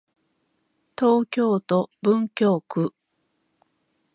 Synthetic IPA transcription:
t̪o̞ːkʲo̞ːt̪o̞bɯ̟̃ŋkʲo̞ːkɯ̟

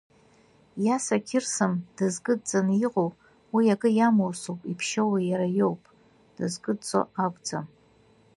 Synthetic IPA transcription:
jasakʲʰɪrsɨmd̥ɨzɡʼɨdd͡zʼanjɪqʼow | wiaɡɨjamowsowpʼipʰʃawajaɾajowpʼ | d̥ɨzɡʼɨdt͡sʼo̰akʷʼd͡zʼa̰m

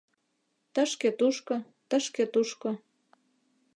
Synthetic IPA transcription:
t̪əʃket̪uʃko | t̪əʃket̪uʃkŏ

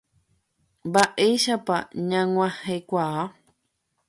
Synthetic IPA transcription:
mbaʔejʃapaɲãŋ̃ʷãhekʷaa

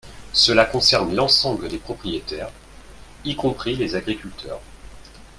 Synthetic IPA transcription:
səlakɔ̃sɛʁnlɑ̃sɑ̃bləd̪epχɔpχijet̪ɛːʁ | ikɔ̃pχilezaɡʁikʲylt̪ʰœ̰ːʁ

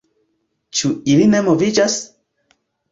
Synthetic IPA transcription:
t͡ʃuilinemovid͡ʒas

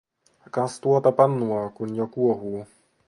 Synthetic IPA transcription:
kast̪uɔt̪apanːuakunʲːɔkuɔɦuː

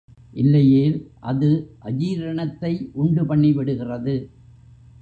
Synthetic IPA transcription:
ʔɪlːɐjeːlʔɐðɯʔɐd͡ʒiːɾɐɳɐt̪ːɐɪʔʊɳɖɯpɐɳːiʋɪɽɯɣɪrɐðɯ

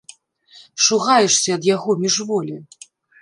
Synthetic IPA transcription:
ʂuɣajɛʂsʲɐːd̪jaɣɔmʲiʐvɔlʲi

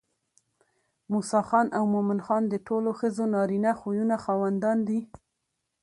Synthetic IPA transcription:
musɑxɑnʔawmomɪnxɑnd̪əʈoloxəzonɑɾinaxojunaxɑwand̪ɑnd̪i

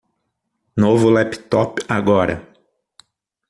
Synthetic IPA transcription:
novʊlɛpt̪ɔpaɡɔɾɐ̰

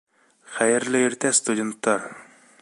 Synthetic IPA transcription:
χæjɪɾlɪeɾt̪ʰɛst̪ud̪ʲent̪ːɑɾ

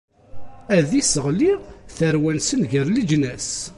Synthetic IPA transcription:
æðisəʁliθəɾwænsənʝəɾlid͡ʒnæs

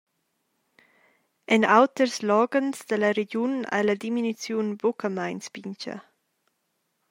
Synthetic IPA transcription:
ɛnawt̪ərslɔːɡənsd̪əlɐɾeɟuna̰jlad̪iminut͡sjunbokʰəmajnsb̥iɲcɐ̰

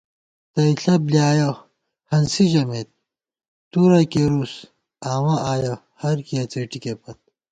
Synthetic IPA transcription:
t̪ɐiɬɐbliaːjo | hɐnsid͡ʑɐmeːt̪̚ | t̪uɾɐkeɾus | aːwãʔaːjɐ | hɐɾkiɐt͡seʈikepɐt̪̚

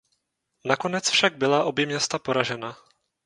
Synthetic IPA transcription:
nako̞nɛt͡sfʃaɡ̚bɪlaʔo̞bjɛmɲɛst̪apo̞ɾaʒɛna

